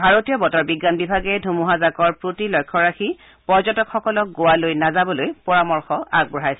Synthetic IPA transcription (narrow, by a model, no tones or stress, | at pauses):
bʱaɹotijɔbɔtɔɹbiɡːanbibʱaɡɛdʱumuɦazakɔɹpɹotilɔjkʰːɔɹaxi | pɔɹzɔtɔkxɔkɔlɔk̚ɡowalojnazabɔlojpɔɹamɔɹxɔaɡ̚bɔɹajsɛ